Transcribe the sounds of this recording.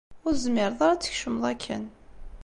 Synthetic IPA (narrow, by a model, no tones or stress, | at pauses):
ʊɾzmɪɾðˤɑɾˤat͡sːə̥çʃəməðˤækʰːæ̰n